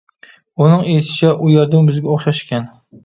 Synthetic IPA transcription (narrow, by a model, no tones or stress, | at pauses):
ʊnɪŋet̪ʰɪ̥t͡ʃʰaʔʊjɑɾd̪ɪmbɪzɡʲaoχʃaʃkʲan